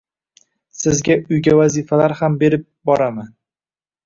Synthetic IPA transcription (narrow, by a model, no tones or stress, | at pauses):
sɪzɡʲaʊjɡʲavazifalaɾhambe̞ɾɪp̚bɒɾaman